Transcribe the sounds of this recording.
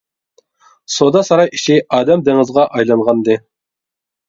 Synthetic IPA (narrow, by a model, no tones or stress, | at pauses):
sod̪ɑsɑɾɑjiʃɪɑːd̪ɛmd̪eŋɨzʁɑʔɑjlˠɑɴʁɑnd̪ɨ